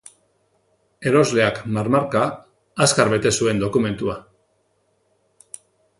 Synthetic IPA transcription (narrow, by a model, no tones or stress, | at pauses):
e̞ɾo̞zle̞akmaɾmaɾkaː | skaɾβe̞t̪e̞sue̞nd̪o̞kume̞nt̪ua